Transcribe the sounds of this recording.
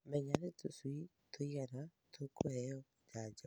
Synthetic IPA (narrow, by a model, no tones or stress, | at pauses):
mɛɲaɾetoswi | tʰoiaɾa | tʰokohɛɔ | d͡ʒad͡ʒa